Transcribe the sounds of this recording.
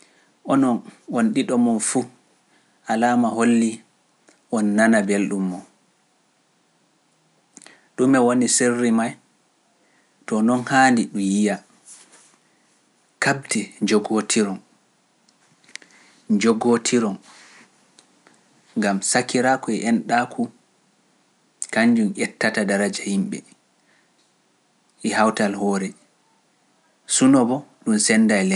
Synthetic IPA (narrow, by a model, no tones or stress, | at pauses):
ʔɔnɔnwonɗiɗɔmɔnfu | ʔalaːmaholːi | ʔɔnːanabelɗumːɔn | ɗumɛwoniserːimaj | tɔnɔnhaːndiɗujija | kabtʰɛd͡ʒɔɡotʰiɾɔn | d͡ʒɔɡotʰiɾɔn | ŋɡamsakiɾaːkɔɛʔɛnɗakʰu | kaɲd͡ʒumʔɛtːatadaɾad͡ʒahimɓɛ̰ | ʔɛhawtalhɔːɾɛ | sunɔbɔɗunsɛnːdajlɛ